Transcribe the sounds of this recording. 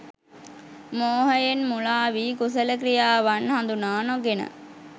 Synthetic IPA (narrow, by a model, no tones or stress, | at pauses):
moːɦəjenmulaːʋiːkus̬ələk̬ɾijaːʋanhand̪unaːnoɡenə̰